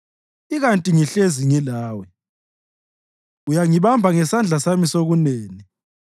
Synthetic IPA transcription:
iɣantʼiŋiɬeziŋilaːwɛ | ujaŋiβambʱaŋɛsand͡ɮʱasamisoɣuneːni

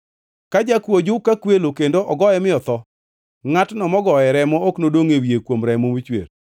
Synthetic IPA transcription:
kad͡ʒakwod͡ʒʊkakwelokendoʔɔɡɔɛmɪɔt̪ɔ | ŋatnɔmɔɡɔɛɾɛmɔoknodoŋewjekwomɾɛmomit͡ʃwḛr

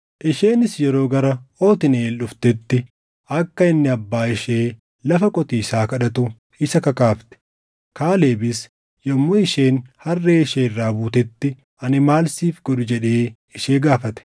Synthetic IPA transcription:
ʔɪʃeːnɪsjɛɾo̞ːɡɐɾɐo̞ːt̪ɪneːlːʊft̪ɛt̪ːɪ | ɐkːɐɪnːɪɐbːaːɪʃeː | lɐfɐkʼɔt̪iːsaːkɐᶑɐt̪ʊ | ɪsɐkɐkaːft̪ɛ̥ | kaːle̞ːbɪs | jɔmːoɪʃeːnhɐrːeːɪʃeːɪrːaːbuːt̪ɛt̪ːɪ | ɐnɪmaːlsiːfɡɔᶑʊd͡ʒɛᶑeː | ɪʃeːɡaːfɐt̪ɛ̥

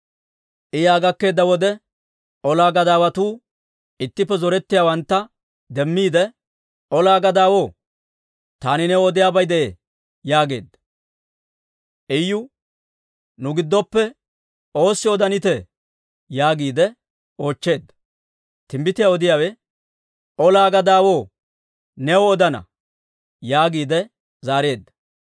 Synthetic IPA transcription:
ʔɪjaːɡɐkːe̞ːd̪ːɐwɔd̪ɛ | ɔlaːɡɐd̪aːwɐt̪uː | ɪt̪ːɪpːɛzɔɾɛt̪ːɪjaːwɐnt̪ːɐ | d̪ɛmːiːd̪ɛ | ʔɔlaːɡɐd̪aːwo̞ː | t̪aːnɪnɛɔd̪ɪjaːbɐjd̪ɛʔe | jaːɡe̞ːd̪ːɐ | ʔɛjːʊ | nʊɡɪd̪ːɔpːɛ | o̞ːsːɪɔd̪ɐnɪt̪ɛ | jaːɡiːd̪ɛ | o̞ːt͡ʃːe̞ːd̪ːɐ̥ | t̪ɪmbɪt̪ɪjaɔd̪ɪjaːwɛ | ɔlaːɡɐd̪aːwoː | nɛwɔɔd̪ɐnɐ̰ | jaːɡiːd̪ɛ | zaːɾe̞ːd̪ːɐ̥

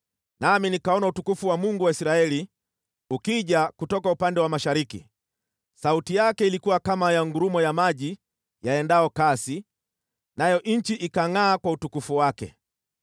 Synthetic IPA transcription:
naminikaɔnautukufuwamuŋɡuwaisiɾaɛli | ukiʄakutɔkaupandɛwamaʃaɾikḭ | sautijakɛilikuwakamajaŋɡuɾumɔjamaʄi | jaɛndaɔkasi | najɔʔɲ̩t͡ʃiʔikaŋaːkwautukufuwakɛ̰

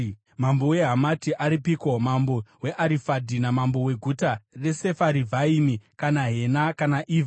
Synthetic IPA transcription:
mambowe̞ɦamatiʔaɾipikomambowe̞ʔaɾifadʱinamambo̞we̞ɡʱutare̞se̞faɾivʱaimikanaɦe̞nakanaʔiːva

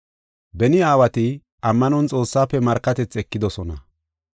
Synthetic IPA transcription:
bɛnɪaːwɐt̪ɪ | ɐmːɐnʊnt͡sʼo̞ːsːaːpːɛmɐɾkːɐt̪ɛt͡sːɛkːɪd̪ɔsɔnɐ

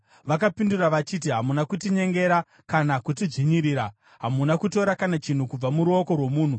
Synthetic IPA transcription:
ʋak̬apinduraʋat͡ʃit̬iɦamunakutiɲe̞ŋɡe̞ɾa | kanakutid͡ʐiɲiɾiːɾa | ɦamunakuto̞ɾakanat͡ʃin̤ukub͡vamuɾuo̞ko̞rwo̞muːn̤u

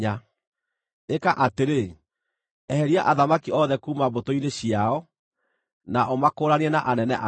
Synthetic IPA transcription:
a | ekaʔateɾe | ɛhɛɾiaʔaðamakiɔðɛkuːmaβotoineɕiaɔ | naʔomakoːɾaniɛnaʔanɛnɛʔa

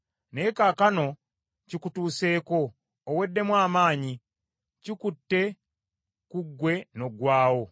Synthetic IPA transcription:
ne̞ːkakano̞ | cikutuːse̞ːko̞ː | we̞dːe̞mwaːmaːɲi | cikutːe̞ | kuɡːwe̞no̞ɡwaːwo̞

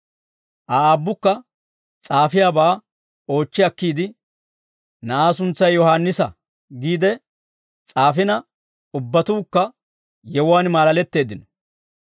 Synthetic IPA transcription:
ʔaaːbːʊkːɐ | t͡sʼaːfɪjaːbaː | o̞ːt͡ʃːɪɐkːiːd̪ɪ | nɐʔaːs̬ʊnt͡sːɐjjɔhaːnːɪsɐ | ɡiːd̪ɛ | t͡sʼaːfɪnɐ | ʊbːɐt̪uːkːɐ | jɛwwaːnmaːlɐlɛt̪ːe̞ːd̪ɪnɔ̥

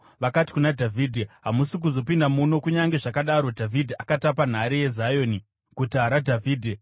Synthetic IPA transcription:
ʋakati̥kunadʱavʱiːdʱiɦamusik̬uzo̞pindamuno̞kuɲaŋɡe̞ʐakaɗaɾo̞dʱavʱidʱiʔakatap̬an̤aɾije̞zajo̞ːni | kutaɾadʱavʱiːdʱe

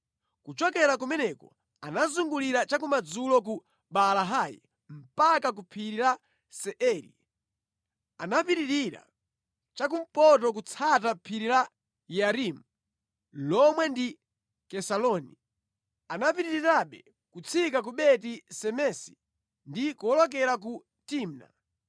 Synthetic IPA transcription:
kut͡ʃɔkɛɾak̬umɛnɛkɔ̰ | anazuŋɡuliɾat͡ʃakumad͡zulɔk̬u | ɓalaɦajḭ | m̩pakak̬upʰiɾiɾa | sɛʔɛɾḭ | anapiɾiɾiɾa̰ | t͡ʃak̬um̩pɔtɔk̬ut͡sʰatapʰiɾiɾa | jaɾimu | lɔmwɛndi | kɛsalɔni | anapiɾiɾiɾaɓɛ̰ | kut͡sʰikak̬uɓɛtisɛmɛsi̥ | ndikuɔlɔk̬ɛɾak̬u | tiːmna̰

